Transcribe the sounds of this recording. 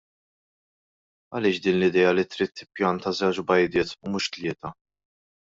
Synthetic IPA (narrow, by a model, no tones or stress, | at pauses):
ɐlɪːʃd̪iːnlɪd̪ɛːjɐlit̪ɾiːt̪ːɪpjɐnt̪ɐzɛwt͡ʃbɐjd̪ɪːt̪umʊːʃt̪lɪːt̪ɐ